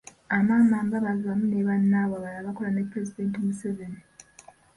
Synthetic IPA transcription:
amaːmaːmbaβaziβamune̞βanːaːwaβalaβako̞lane̞pːɾe̞zide̞ːntimuse̞ve̞ni

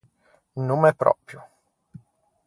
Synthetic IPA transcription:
numɛpɾɔ̰pɾju

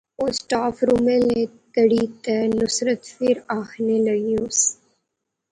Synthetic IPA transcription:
oːsʈaːfɾumẽle | k̪əɽit̪ənʊsɾət̪fɪɾaːxneləɡios

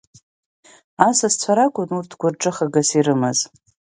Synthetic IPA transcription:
asast͡sʷʰaɾakʷʼʊnurtʰɡʷʊrʈ͡ʂʼɨχaɡasiɾɨmɨz

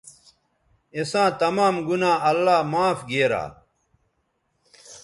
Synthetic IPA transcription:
esãːt̪ɐmaːmɡunãːɐlːaːmãːfɡeːɾa̰ː

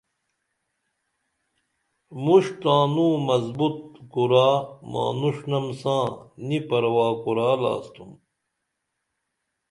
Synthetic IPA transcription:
muʂt̪aːnũːmɐzbut̪̚kuɾaːma̰ːnuʂnɐmsãːnipɐɾwaːkuɾaːla̰ːst̪um

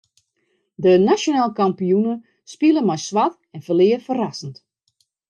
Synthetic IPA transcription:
dənaʃonaːlˠkampijunə | spilˠəmajsʋat | ɛnfəlɪəfərasən̩t

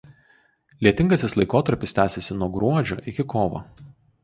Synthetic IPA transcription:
lʲiɛt̪ʲɪŋɡɐsʲɪslˠɐɪkoːt̪ɐɾʲpʲɪst̪ʲæːsʲɛsʲɪnuɔɡɾuɔd͡ʒʲoːʔɪkʲɪkoːʋo̰

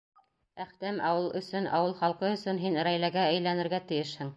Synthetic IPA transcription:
æχt̪æmɑwɤlˠɵ̆sɵnʔɑ̰wɤlˠχɑlˠqɤɵ̆sɵnɦinɾæjlæɡæɘ̆jlænɘ̆ɾɡæt̪ɘ̆jɘʃhɘŋ

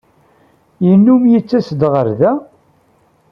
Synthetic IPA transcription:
jənːumjət͡sːæsd̪ʁəɾðæ

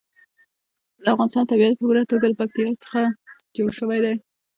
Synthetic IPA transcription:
d̪əafɣɑnɪst̪ɑnt̪abiat̪̚pəbuɾat̪oɡaləpak̚t̪ɪjɑt͡sə̥xad͡ʒoɽʃəwajd̪aj

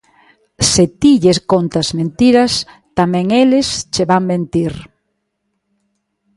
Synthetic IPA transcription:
set̪iʎeskont̪azmẽnt̪iɾas | t̪amɛ̃ŋelɪst͡ʃeβambent̪iɾ

